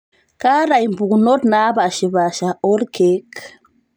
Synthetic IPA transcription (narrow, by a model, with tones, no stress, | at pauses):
ka˦ɾa˨jmbu˨kuno˦tna˦βa˨ʃi˨βa˨ʃa˨o˦ɾke˦k